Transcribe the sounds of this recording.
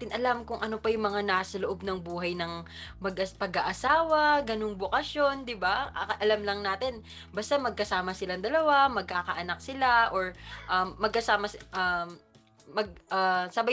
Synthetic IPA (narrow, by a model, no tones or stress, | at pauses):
t̪ɪnʔɐlamkʊŋʔɐno̞pɐjʊŋmɐŋanaːsɐloʔo̞b̚nɐŋbuːɦɐjnɐŋmɐɡʔɐpɐɡaʔɐsaːwɐɡɐnoŋbokɐsjo̞nd̪ɪbaʔʔɐlamlɐŋnaːt̪ɪn | bɐst̪amɐɡ̚kɐsaːmɐsɪlaŋd̪ɐlɐwamɐɡ̚kakɐʔɐnɐk̚sɪlaʔo̞ɹʔɐmːɐɡ̚kɐsaːmɐʔɐː | ɐɡ̚ʔasɐba